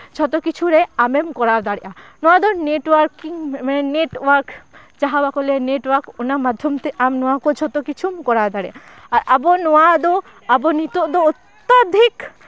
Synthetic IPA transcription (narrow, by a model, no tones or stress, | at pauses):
d͡ʒʰʱɔt̪okit͡ʃʰuɾeamemkɔɾaɾd̪aɽiʔanɔad̪oneʈwaɾkiŋmaneneʈwaɾk | d͡ʒaɦabakɔleneʈwaɾkonamad̪ʱːjomt̪eʔamnɔwakod͡ʒɔt̪okit͡ʃʰumkɔɾaɾd̪aɽeʔa | aɾabonɔad̪o | abonit̪od̪oot̪ːad̪ʱik